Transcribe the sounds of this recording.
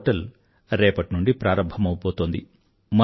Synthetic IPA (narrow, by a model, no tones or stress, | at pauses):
ʈɐl | ɾɛːpɐʈnuɳɖipɾaːɾɐmbʱɐmɐwupoːt̪oːnd̪i | mɐ